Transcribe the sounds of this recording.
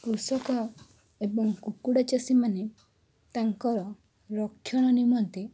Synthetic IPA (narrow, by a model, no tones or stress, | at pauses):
kɾusɔkɔ | ebɔŋkukuɽat͡ʃasimane | t̪aŋkɔɾɔ | ɾɔkʰːjɔɽ̃ɔnimɔnt̪e